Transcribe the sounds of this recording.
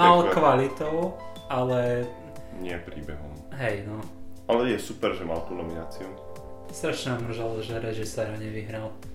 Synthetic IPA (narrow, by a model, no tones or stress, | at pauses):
alkʋalit̪ɔʊ | alɛ | ɲɪɛpɾiːbɛɦɔ̰mɦɛjnɔalɛjɛsupɛɾʒɛma̰lt̪unɔminaːt͡siu | ɛst̪ɾaʃɲɛamr̩ʒalʒɛɾɛʒisɛɾaɲɛʋiɦɾal